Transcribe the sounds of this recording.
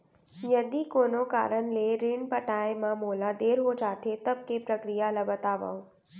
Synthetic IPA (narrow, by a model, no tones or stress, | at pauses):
jəd̪ikoːnoka̰ːɾəɳleɾɪɳpəʈaːemãmoːlad̪eːɾɦod͡ʒaːt̪ʰet̪ɐb̚kepɾəkɾijalabət̪aːʋa̰õ